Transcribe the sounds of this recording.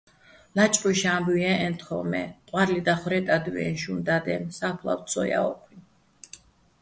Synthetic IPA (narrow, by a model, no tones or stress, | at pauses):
lat͡ʃʼpʼɔʃambujɛʔɛnt̪ʰχɔmɛ̰qʼwaɾlid̪aχwɾɛt̪ʼad̪wɛ̰nʃund̪ad̪ɛmsapʰlˠa̰wt̪sʰɔja̰ɔkʰwin